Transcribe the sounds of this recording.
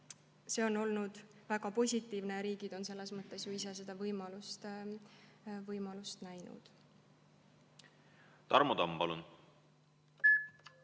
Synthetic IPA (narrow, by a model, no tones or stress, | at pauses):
se̞o̞no̞lnud̪̥ | væɡɑpo̞sʲit̪ːˑiːvneɾiːɡ̥id̪̥o̞nse̞lːe̞smɤt̪ːˑe̞sjuisese̞d̪̥ɑvɤjmɑlust̪ | vɤjmɑlust̪næjnṵd̪̥ | t̪ɑrmod̪ɑmpɑlun